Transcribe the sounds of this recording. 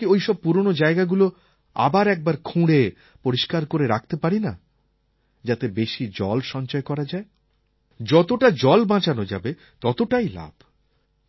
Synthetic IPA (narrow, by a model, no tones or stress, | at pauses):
iojʃɔb̚puɾonod͡ʑaeɡaɡulo | a̰baɾɛk̚baɾkʰũɽe | poɾiʃkaɾkoɾeɾakʰt̪epaɾina̰ | d͡ʑat̪ebeʃid͡ʑɔ̰lʃɔɲt͡ɕɔekɔɾad͡ʑae | d͡ʑɔt̪oʈad͡ʑɔlbãt͡ɕanod͡ʑa̰be | t̪ɔt̪oʈajla̰b̥ʱ